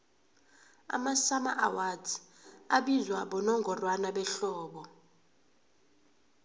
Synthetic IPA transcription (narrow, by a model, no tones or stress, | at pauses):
a̰masamaʔawatʰi̥aɓizwaɓɔnɔŋɡʱɔrwanaɓɛɬɔːɓɔ